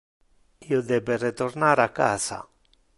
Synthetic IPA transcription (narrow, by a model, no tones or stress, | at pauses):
iːod̪ɛberet̪ornaɾakːa̰ːza̰